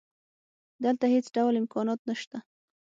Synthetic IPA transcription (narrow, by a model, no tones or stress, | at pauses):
d̪əlt̪ahet͡sɖawlɪmkɑnɑt̪naʃt̪a